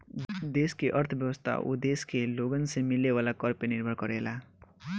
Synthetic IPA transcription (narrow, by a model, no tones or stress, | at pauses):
d̪eskeʔʌɾt̪ʰbjʌwəst̪ʰa̰ʔṵd̪eskeloɡənsemilːeʋalakʌɾpeniɾbʱʌɽkʌɾela